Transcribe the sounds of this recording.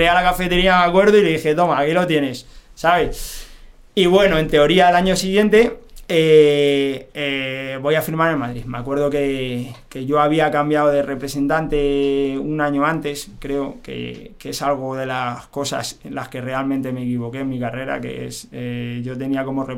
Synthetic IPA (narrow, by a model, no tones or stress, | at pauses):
ealakafe̞t̪e̞ɾiameakwe̞ɾðoileðixet̪o̞maːkilo̞t̪je̞ne̞sːaβes | iβwe̞no̞e̞nt̪e̞o̞ɾiaelaɲo̞siɣjent̪e̞e | eβo̞jafiɾmaɾenmaðɾiðmea̰kwe̞ɾð̞oke̞ke̞ʝo̞aβ̞iakambjaoð̞e̞re̞pɾe̞se̞nt̪ant̪e̞unãɲo̞ãnt̪e̞skɾe̞okḛkesalɣ̞oðe̞lasko̞sa̰selaske̞re̞almẽnt̪e̞me̞ːkiβo̞ke̞ːnmikare̞ɾa̰ke̞̰ḛseʝo̞t̪e̞niako̞more